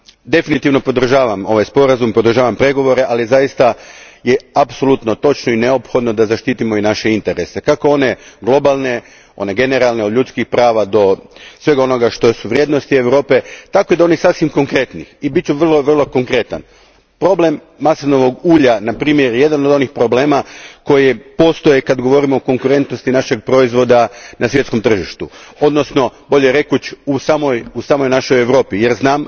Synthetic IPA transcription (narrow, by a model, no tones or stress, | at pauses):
d̪e̞finit̪iʋno̞po̞d̪r̩ʒaːʋamo̞ʋajspo̞ɾazumpod̪r̩ʒaːʋampɾe̞ɡo̞ʋo̞ɾe̞ʔalizajist̪ajeapso̞lˠut̪no̞t̪o̞t͡ʃnoine̞opxo̞d̪no̞d̪azaʃt̪iːt̪imo̞inaʃe̞int̪e̞ɾe̞se̞kako̞o̞ne̞ɡlˠo̞balˠne̞ | o̞̰ne̞ɡe̞ne̞ɾalˠne̞od̪ʎut̪skixpɾaːʋad̪o̞sʋe̞ɡao̞noɡaʃt̪o̞suʋɾʲje̞ːd̪nost̪ie̞ʋɾo̞ːpe̞t̪akoid̪ao̞nisasʋimko̞ŋkɾe̞t̪nixibit̪̚t͡ɕt͡ʃuʋr̩lˠo̞ʋr̩lˠo̞ko̞ŋkɾe̞t̪a̰n | pɾo̞ble̞mːasoʋnoʋoɡuːʎanapɾiːmjeɾje̞d̪anod̪o̞nixpɾo̞ble̞ːmako̞jepo̞st̪ojekad̪ɡoʋo̞ɾimoːko̞ŋkuɾe̞nt̪nost̪inaʃeɡ̚pɾo̞izʋo̞d̪anʔasʋje̞t̪sko̞mt̪r̩ʒiʃt̪uo̞d̪no̞sno̞bo̞ʎeɾe̞kut͡ɕusaːmo̞jusaːmo̞jnaʃo̞jeʋɾo̞ːpije̞ɾznaːm